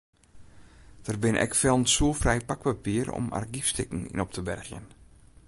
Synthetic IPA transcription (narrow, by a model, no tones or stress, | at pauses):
d̥ərbɪnʔɛ̰kfɛlˠnsuəlˠfrɛjpak̚papiərɔ̰ma̰rɡifstɪkŋ̩ḭnɔp̚tʰəbɛ̰rxjə̰n